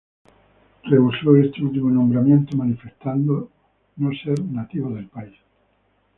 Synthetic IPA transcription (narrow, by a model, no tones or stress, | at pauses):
reusoest̪eut̪iuunõmbɾamjẽ̞nt̪omanifest̪and̪o | noseɾnat̪iβoðe̞lpais